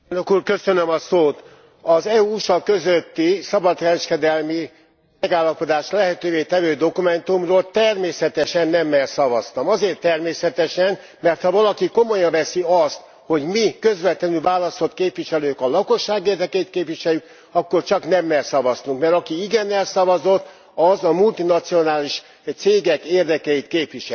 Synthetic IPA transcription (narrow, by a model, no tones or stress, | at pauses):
lnøkuːrkø̞sø̞nømɒsoːt̪ | ɒzɛuuʃɒkø̞zøt̪ːisɒbɒt̪kɛɾɛʃkɛd̪ɛlmi | mɛɡaːlːɒpo̞d̪aːʃlɛɦɛt̪øːveːt̪ɛvøːd̪o̞kumɛnt̪umroːlt̪ɛrmeːsɛt̪ɛʃɛnːɛmːɛrsɒvɒst̪ɒmɒzeːrt̪ːɛrmeːsɛt̪ɛʃɛn | mɛrt̪hɒvɒlɒkiko̞mo̞jɒɱvɛsiɒst̪ | ho̞ɟmikø̞zʋɛt̪lɛnylvaːlɒso̞t̪̚keːpʋiʃɛløːkɒlɒko̞ʃːaːɡeːrd̪ɛkɛjit̪̚keːpʋiʃɛljyk | ɒkːo̞rt͡ʃɒknɛmːɛrsɒvɒst̪uŋkmɛɾɒkiiɡɛnɛlsɒvɒzo̞t̪ | ɒzɒmult̪inɒt̪sio̞naːliʃ | t̪seːɡɛkeːrd̪ɛkɛjit̪keːpʋiʃɛ